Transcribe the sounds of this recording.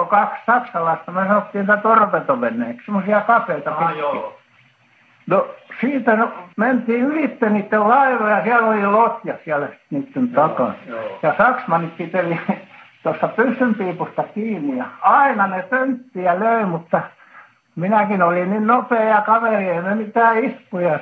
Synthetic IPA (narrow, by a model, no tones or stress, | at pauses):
okɑkssɑksɑlɑist̪ɑmyøsɑnot̪ːiːnit̪æt̪orpet̪oʋenːˑḛːksemːˑosiɑkɑfˑeit̪ɑpii | nosiːt̪ænment̪iːylit̪ːeniːt̪ːellɑiʋoːjɑsiælolilot̪jɑsiælæsi̥t̪niːt̪ːent̪ɑkɑ̰njɑsɑksmɑnippit̪elit̪ost̪ɑpysːympiːpust̪ɑkiːnːijɑɑinɑnet̪ønt̪ːiæløimut̪ːɑ | minækinolinninnopeːjɑkɑʋerieimemit̪æːispujɑ